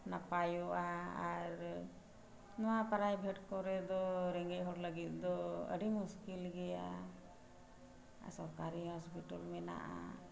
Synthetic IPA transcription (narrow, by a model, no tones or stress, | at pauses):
napajɔʔaaɾ | nɔwapaɾajbʱɛʈkɔɾɛd̪ɔɾɛŋɡɛʔ̚ɦɔɾləɡit̪̚d̪ɔə̰ɖimuskilɡɛja | a̰sɔɾkaɾiɦɔspiʈɔlmɛna̰ʔa̰